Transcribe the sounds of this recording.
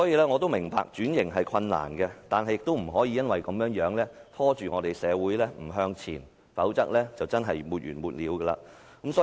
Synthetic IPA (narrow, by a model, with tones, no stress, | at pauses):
ɔː˨˥jiː˧lɛː˥ŋɔː˨˧t̪̬wmɪ˨˩ŋpa̰ː˧k̚t͡ʃyː˨˥njɪ˨˩ŋɦɐ˨jkʰwɐ˧nːa̰ː˨˩nɡɛ˧t̪aː˨nɦɐ˨jɪ˨k̚t̪o˥wm̩˨˩ɦɔː˨˥jiː˧jɐ˥nwɐ˨jkɐ˨˧mjœː˨˥ŋjœː˨˥ŋlɛː˥t̪ʰɔː˥t͡ʃyː˨˩ŋɔː˨˧t̪e˨jsɛː˨˧wuː˨˥jlɛː˥m̩˨˩ɦœː˧ŋt͡sʰḭː˨˩n | fɐ˨˥wt͡sɐ̰˥k̚lɛː˥t͡sɐ˨wt͡sɐ˥nɦɐ˨jmuː˨t̚jyː˨˩nmuː˨t̚liː˨˥wɡəː˧la̰ː˧kɐ˨˦˥msɔː˨˦